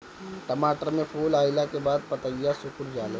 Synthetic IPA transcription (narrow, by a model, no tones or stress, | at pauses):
t̪ɐmaːt̪ɾəmẽfoːlaːɪlakebaːd̪̚pɐt̪əijːasʊkʊɾd͡ʒaːle